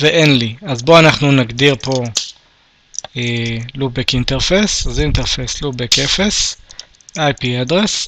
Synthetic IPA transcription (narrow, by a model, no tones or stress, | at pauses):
veʔenliazbo̞anaχnunaɡd̪iʁpo̞ | elubekint̪eʁfesazint̪eʁfeslubekefes | ajpiad̪ʁes